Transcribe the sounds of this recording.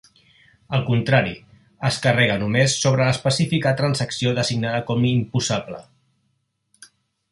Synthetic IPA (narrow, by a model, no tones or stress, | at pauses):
əlˠkunt̪ɾaɾḭ | əskərɛɣ̞ənumesːoβ̞ɾələspəsifikət̪ɾansəksioðəziɡnaðəkɔmimpusaplə̰